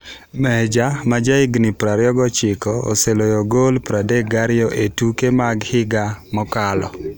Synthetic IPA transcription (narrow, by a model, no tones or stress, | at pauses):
mɛd͡ʒamad͡ʒaɪɡnipɾaɾɪjɔɡɔt͡ʃɪkɔo̰selojoɡolpɾadeɡaɾɪɔʔetukemaɡhɪɡamɔkalɔ